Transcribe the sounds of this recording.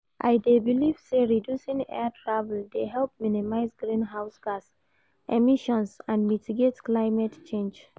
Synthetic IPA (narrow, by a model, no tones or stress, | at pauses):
ʔa̰jdebilivseɹidjusĩŋɛ̰atʰɹavɛldeɦɛlp̚minimaɪsɡɹĩnɦaʊsɡas | ʔɛmiʃɔ̃nsãnmitiɡetklaɪmɛtt͡ʃẽnd͡ʒ